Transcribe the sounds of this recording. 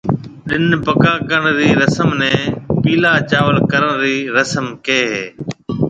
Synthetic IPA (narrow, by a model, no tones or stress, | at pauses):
ɗɪnpəkaːkəɳ̃ɾiːɾəsəmnɛ̃ːpiːlaːt͡ʃaːʋəlkəɾəɳɾiːɾəsəmkeːɦeː